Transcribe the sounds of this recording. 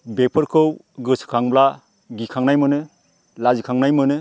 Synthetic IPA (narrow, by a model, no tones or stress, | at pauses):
bepʰɯɾkʰɯw | ɡɯsɯ̥kʰaŋbla | ɡikʰaŋnajmɯnɯ | lazikʰaŋnajmɯnɯ